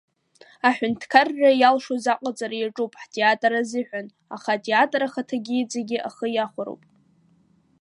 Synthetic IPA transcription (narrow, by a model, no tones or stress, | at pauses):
aħʷᶣʊntʰkʰarːajalʂozaqʷʼat͡sʼaɾajaʈ͡ʂʼupʼħtʰʼeatʼɾazɨħʷᶣan | aχatʼeatʼɾaχatʰaɡʲiit͡sʼeɡʲɪʔaχəjaχʷaɾo̰wpʼ